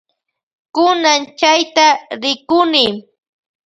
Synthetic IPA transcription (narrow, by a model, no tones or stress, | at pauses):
kʊnant͡ʃajt̪aɾɪkʊnɪ